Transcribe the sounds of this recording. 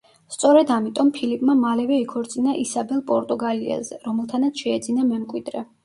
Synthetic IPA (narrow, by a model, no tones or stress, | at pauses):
st̪sʼɔɾɛd̪amit̪ʼɔmpʰilipʼmamalɛvɛikʰɔɾt̪sʼinaʔisabɛlˠpʼɔɾt̪ʼuɡaliɛ̰zɛ̰ɾɔmɛlˠt̪ʰanat̪sʰʃɛːd̪zinamɛmkʼwid̪ɾɛ